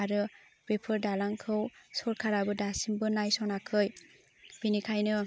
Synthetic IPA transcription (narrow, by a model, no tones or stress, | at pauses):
aɾɯ | b̥epʰɯɾdalaŋkʰɯwsɔɾkʰaɾabɯdasimbɯnajsɔnakʰɯj | b̥inikʰajnɯ